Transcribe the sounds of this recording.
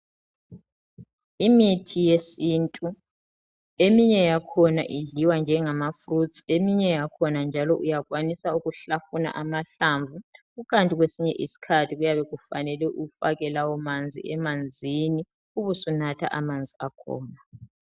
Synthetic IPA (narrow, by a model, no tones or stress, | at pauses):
imitʰijesintʼu | emiɲɛjakʰɔna̰ʔiɮiwand͡ʒʱɛŋamafrut͡sʰʼiemiɲɛjakʰɔnand͡ʒʱalɔʔujaɣwanisauɣuɬafuna̰ʔamaɬaɱvʱuɣukʰʼantʼiɣwesiɲɛʔisi̥kʰatʰiɣujaβɛɣufanɛlɛʔuɣufa̰ɣɛlawɔmand͡zʱḭɛmand͡zʱini | uβusunatʰa̰ʔamand͡zʱiakʰɔ̰ːna